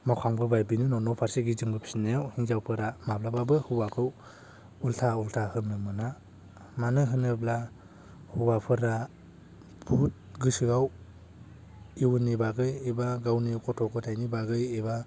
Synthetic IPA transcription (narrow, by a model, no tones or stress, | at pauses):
makʰaŋbɯbajbinɯnɔnɔpʰaɾsiɡizɯŋbɯpʰi̥sinajawhiŋzawpʰɯɾamablababɯhɯwakʰɯw | ultʰaultʰahɯmnɯmɯna | manɯɦɯnɯbla | huwapʰɯɾa | pʰut̚ɡɯsɯɡaw | iwnibaɡɯjibaɡawnikʰɔtʰɔkɯtʰajnibaɡɯjeba